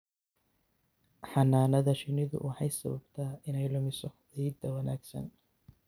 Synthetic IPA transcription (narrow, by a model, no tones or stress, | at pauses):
ħɑnaːnɐðɐʃɪnɪðʊ̰wɑħɑjsɐβɐbt̪ʰaːɪnɛjlʊmɪsɔ | iːd̪ɐwɐnaːɡsɐ̰n